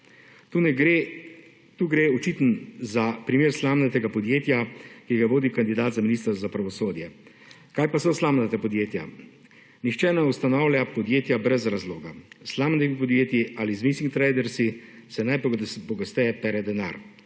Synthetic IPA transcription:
t̪unɛɡɾe | t̪uːɡɾeːɔt͡ʃit̪nzapɾimeːɾslaːmnɛt̪ɛɡapɔd̪jeːt̪jakiɡaʋoːd̪ikand̪id̪aːt̪zaminist̪əɾzapɾaʋɔsoːd̪jɛ | kaːjpasɛslaːmnat̪ɛpɔd̪jeːt̪ja̰ | nixt͡ʃɛːnɛust̪anawlʲjapɔd̪jeːt̪jabɾɛzɾazloːɡaslaːmnɛmipɔd̪jeːt̪jiʔalizmisiŋkt̪ɾɛjd̪ɛɾsisɛnajppɔɡast̪ɛɛpɛːɾɛd̪ɛna̰ːɾ

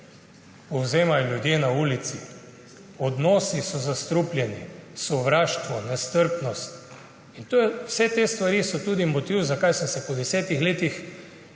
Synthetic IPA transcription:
pɔwzeːmajɔlʲjud̪jeːnauːlit̪si | ɔd̪nɔːsisɔzast̪ɾuplʲjɛnisɔʋɾaːʃt̪ʋɔnɛst̪əɾpnɔst̪ | int̪oːjɛwsɛt̪est̪ʋaɾisɔt̪uːd̪imɔt̪iwzakajsənsɛpɔd̪ɛsɛːt̪ixleːt̪ix

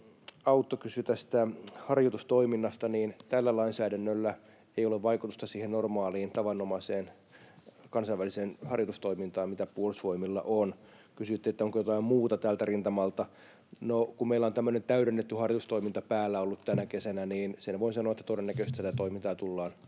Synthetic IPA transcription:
ɑut̪ːokysyt̪æst̪æhɑrjot̪ust̪oiminːɑst̪ɑniːnt̪ælːælɑinsæːdænːølːæ | eijoleʋʋɑikut̪ust̪ɑsiːhennormɑːliːnt̪ɑʋɑnːomɑiseːn | kɑnsɑiʋæliseːnhɑrjot̪ust̪oimint̪ɑːmmit̪æpuolsʋoimilːɑ̰ʔon | kysyt̪ːeet̪ːæoŋkojot̪ɑimmuːt̪ɑt̪æːlt̪ærint̪ɑmɑlt̪ɑ | nokummeilːæont̪æmːønent̪æyɾenːet̪ːyhɑrjot̪ust̪oimint̪ɑpæːlːæolːut̪t̪ænækesænæniːnsenʋoinsɑnoɑet̪ːæt̪odenːækøst̪æt̪æt̪oimint̪ɑːt̪ulːɑːn

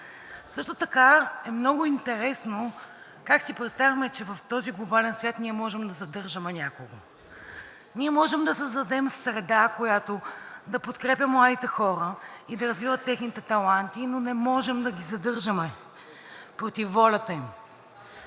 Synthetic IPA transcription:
sɤʃt̪ot̪ɐkaɛmnɔɡʊint̪ɛɾɛsno | kaksipɾɛt̪st̪avʲɐmɛt͡ʃɛvɐft̪ɔziɡlˠobalɛnsvʲjat̪niɛmɔʒɛmd̪ɐzɐd̪ɤɾʒəmɛnʲakoɡo | nʲiɛmɔʒɛmd̪ɐsəzd̪ɐd̪ɛmsɾɛd̪akojat̪od̪ɐpot̪kɾɛpʲɐmːlˠad̪it̪ɛxɔɾəid̪ɐɾɐzvivət̪ːɛxnit̪ɛt̪ɐlˠant̪inonɛmɔʒɛmd̪ɐɡʲizɐd̪ɤɾʒəmɛ | pɾot̪ifːɔlʲɐt̪əim

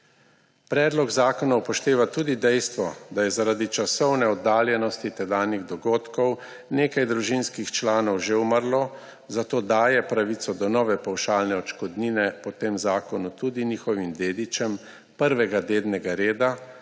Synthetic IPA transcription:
pɾɛːd̪lɔɡzaːkɔnawpɔʃt̪eːʋat̪ud̪id̪ɛjst̪ʋɔd̪ajɛzaɾaːd̪it͡ʃasɔwnɛɔd̪aːljɛnɔst̪it̪ɛd̪aːniɣd̪ɔɡoːt̪kɔw | neːkajd̪ɾuʒinskixt͡ʃlaːnɔwʒeuməɾlɔ | zat̪oːd̪aːjɛpɾaʋit̪sɔd̪ɔnɔːʋɛpawʃaːlnɛɔt͡ʃkɔd̪ninɛpɔt̪eːmzaːkɔnut̪ud̪inixɔʋimd̪eːd̪it͡ʃɛm | pəɾʋɛɡad̪eːd̪nɛɡaɾeːd̪a

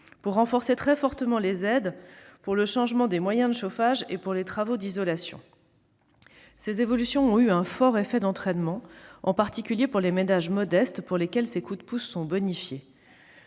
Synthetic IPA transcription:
puʁːɑ̃fɔʁset̪χɛfɔʁt̪əmɑ̃lezɛd̪puʁləʃɑ̃ʒmɑ̃d̪emwajɛ̃d̪əʃofaʒepuʁlet̪χavod̪izɔlasjɔ̰̃ | sezevɔlysjɔ̃ɔ̃yɛ̃fɔʁefɛd̪ɑ̃t̪χɛnmɑ̃ɑ̰̃paʁt̪ikʲyljepuʁlemenaʒmɔd̪ɛst̪puʁlekʲɛlsekud̪pusːɔ̃bɔnifje

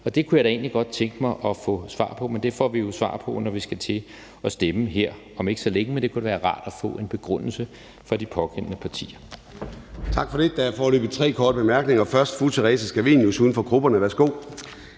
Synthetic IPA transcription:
ɒ̽d̥e̝kʰujɑɪd̥æe̝̰ːnliɡ̥ɒ̽d̥̚t͡sʰeŋɡ̥əmɑ̈ɪʔɒ̽fɔ̰sʋɑ̰̈ːpʰɒ̽mend̥e̝fɒ̰ːʋijo̝sʋɑ̰̈ːpʰɒ̽nɒʋisɡ̥æt͡sʰe̝ | ɒ̽sd̥eməɦe̝ɐ̰ | ɒ̽me̝ɡ̥ə̥sɒ̽leŋəmend̥e̝kʰud̥eʋæːɐʁɑ̰̈ːd̥æfɔ̰̽ːe̝nb̥e̝ɡ̥ʁɔn̰l̩sə | fʁɑ̈d̥ipʰɒ̽ɡ̥ʰen̰ənəpʰɑ̈t͡sʰḭːɐ | t͡sʰɑ̈ɡ̥fɒd̥e̝d̥ææfɒːlø̰ːb̥ð̩ˠt͡sʰʁɛ̰ːkʰɒːd̥əb̥emæɐɡ̥ne̝ŋɐfɶɐsd̥fut͡sʰeʁɛːsəsɡ̥æʋiːnjusuːð̞ˠn̩fɒ̽ɡ̥ʁub̥ɐnəʋæɐsɡ̥o̝̰ː

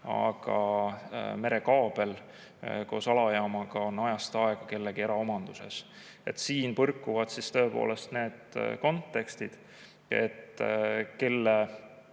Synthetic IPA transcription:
ɑ̰ɡ̥ɑ | me̞ɾe̞kɑːb̥e̞l | ko̞̰ːsɑlɑjɑːmɑɡ̥ɑo̞nːɑjɑst̪ɑe̞ɡ̥ɑke̞lːeɡieɾɑo̞mɑnd̪̥use̞̰s | e̞t̪ːsiːnpɤrkːuvɑd̪̥sist̪ø̞epo̰ːle̞st̪ne̞ːd̪̥ko̞nt̪ːe̞kst̪id̪̥ | e̞̰t̪ːke̞lːe

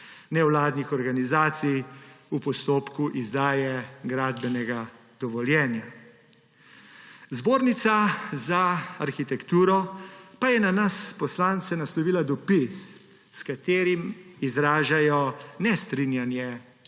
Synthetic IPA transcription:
nɛwlaːd̪nixɔɾɡanizaːt̪sijupɔst̪oːpkuʔizd̪aːjɛɡɾaːd̪bɛnɛɡa | d̪̥ɔʋɔljɛːnja | zboːɾnit̪sazaaɾxit̪ɛkt̪uːɾɔpajɛnanaspɔslaːnt̪sɛnaslɔʋiːlad̪ɔpis | skat̪eːɾimizɾaːʒajɔnɛst̪ɾinjanjɛ

